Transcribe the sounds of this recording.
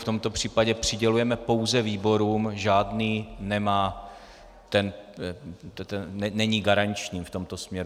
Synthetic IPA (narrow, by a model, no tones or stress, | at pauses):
ft̪o̞mt̪o̞pr̝̥iːpaɟɛpr̝̥ɪɟɛlujɛmɛpo̞wzɛviːbo̞ɾuːmʒaːdniːnɛmaː | t̪ɛn | t̪ɛɛnɛɲiːɡaɾaɲt͡ʃɲiːft̪o̞mt̪o̞smɲɛɾu